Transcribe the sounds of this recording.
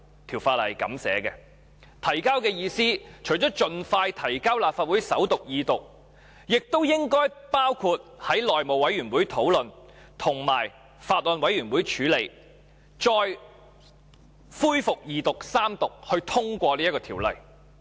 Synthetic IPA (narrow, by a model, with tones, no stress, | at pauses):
t̪ʰiː˨˩wfaː˧t̚lɐ˨˩jkɐ̰˨˥msɛ̰ː˨˥kɛː˧ | t̪ʰɐ˨˩jkaː˥wkɛː˧jiː˧siː˥t͡ʃʰɵ˨˩ɥt͡ʃɔː˨˥t͡ʃɵ˧nfaː˧jt̪ʰɐ˨˩jkaː˥wlaː˨pfaː˧t̚wu˨˥jsɐ̰˨˥wt̪ʊ˨k̚jiː˨˧t̪ʊ˨k̚ | jɪ˨k̚t̪o˥wjɪ˥ŋkɔː˥jpaː˥wkʰuː˧t̚hɐ˨˥jlɔː˨jmo˨wɐ˨˥jɥyː˨˩nwuː˨˥jt̪ʰo˨˥wlɵ˨n | t̪ʰʊ˨˩ŋma̰ː˨˩j | faː˧t̚lɔː˨nwɐ˨˥jɥyː˨˩nwuː˨˥jt͡ʃʰyː˨˧˥le˨j | t͡ʃɔː˧j | fuː˥jfʊ˨k̚jiː˨˧t̪ʊ˨k̚saː˥mt̪ʊ˨k̚hɵ˧ɥt̪ʰʊ˥ŋkʷɔː˧liː˥jɐ˥kɔː˧t̪ʰiː˨˩wlɐ̰˨˩j